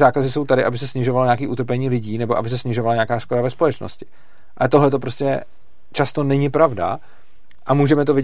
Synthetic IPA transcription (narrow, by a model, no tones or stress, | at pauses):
zaːkazɪso̞wt̪adɪʔabɪsɛsɲɪʒovaloɲaːkiːʔut̪ɾp̬ɛɲiːlɪɟiːnɛboʔa̰bɪs̬ɛsɲɪʒo̞valaɲaːkaːskoɾavɛspo̞lɛt͡ʃno̰scɪ̥ | ʔaɛt̪o̞ɦlɛt̪o̞p̬ɾo̞scɛ̰ | t͡ʃast̪o̞nɛɲɪpɾavda̰ | ʔamuːʒɛmɛt̪ovɪ